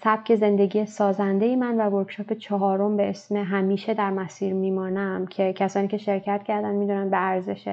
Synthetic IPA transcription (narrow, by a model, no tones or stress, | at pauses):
sæb̥cʰe̞ze̞nd̪e̞ɟiːjesɒːzænd̪e̞jemænvævoɾkʃɒːpet͡ʃʰɒɦɒːɾo̞mbeʔesmeɦæmiːʃe̞d̪æɾmæsiːɾmiːmɒːnæmcʰe̞cʰæsɒːniːcʰeʃe̞ɾcʰæt̪cʰæɾd̪ænmiːd̪unæn̚beæɾzeʃe